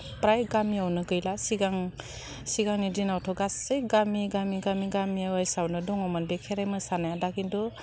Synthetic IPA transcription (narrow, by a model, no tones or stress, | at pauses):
pɾajɡamiawnɯɡɯjlasiɡaŋ | siɡaŋnidinawtʰɔɡasɯjɡamiɡamiɡamiɡamiawajsawnɯdɔŋɔmanbekʰeɾajmɯsanajadakindɔ